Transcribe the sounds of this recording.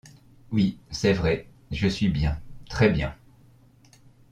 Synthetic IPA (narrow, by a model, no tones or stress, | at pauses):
wisɛvʁɛ | ʒəsɥibjɛ̃t̪χɛbjɛ̃